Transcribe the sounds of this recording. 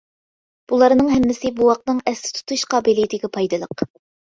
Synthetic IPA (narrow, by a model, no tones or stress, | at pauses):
b̥ulˠɑɾnɨŋɦɛmːɪsɪbuwɑq̚nɨŋɛslɪ̥t̪ʰu̥t̪ʰuʃqɑːbɪlijit̪ʰɪɡʲɛpʰɑjd̪ɨlˠəq